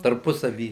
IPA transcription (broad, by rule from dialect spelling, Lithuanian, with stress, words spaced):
tɐrˈpʊsɐʋʲiː